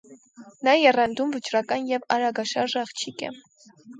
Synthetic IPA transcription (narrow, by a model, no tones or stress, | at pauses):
nɑjɛrɑnd̪umvət͡ʃrɑkɑnjɛvɑɾɑɡɑʃɑɾʒɑχt͡ʃʰikɛ̰